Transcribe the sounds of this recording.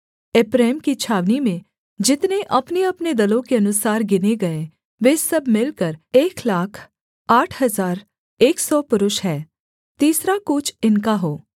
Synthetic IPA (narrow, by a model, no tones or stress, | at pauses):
ɪpɾɛːmkit͡ʃʰaːʋnimẽ | d͡ʒɪt̪neʔɐpneɐpned̪ɐlõkeɐnʊsaːɾɡɪneɡɐe | ʋeːsɐbʱmɪlkəɾeːklaːkʰ | aːʈʰɦɐzaːɾ | eːksɔːpʊɾʊʃɦɛː | t̪iːsɾakʊt͡ʃʰɪnkaɦoː